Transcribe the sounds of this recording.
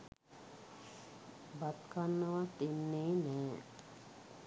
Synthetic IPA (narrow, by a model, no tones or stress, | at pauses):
bat̪kanːəʋat̪inːeːnɛː